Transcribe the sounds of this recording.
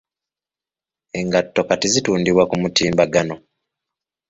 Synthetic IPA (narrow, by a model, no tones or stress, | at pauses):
e̞ŋɡatːo̞katizituːndiβwakumutiːmbaɡano̞